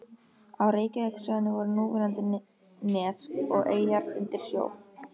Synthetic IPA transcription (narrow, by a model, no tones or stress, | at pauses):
awreːjcaɛksœðnːɪvɔɾnuːvɪɾant̪ɪ | nɛːsɔɣʔeːjaɾɪ̰nt̪ɪɾ̥sjo̰ːw